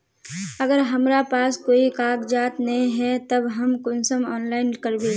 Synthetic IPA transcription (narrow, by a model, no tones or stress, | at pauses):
əɡəɾɦəmɾapaːskoːikaːkd͡ʒaːt̪nɐɦĩɦɛt̪əbɦəmkʊnsəmɔːnlaːɪnkəɾd̪e